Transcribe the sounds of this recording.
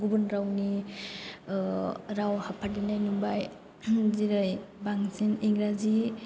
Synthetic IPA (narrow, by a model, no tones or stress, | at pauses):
ɡubɯnɾawni | ɾawhapʰadinajnumbaj | ziɾɯjbaŋsiniŋɾazi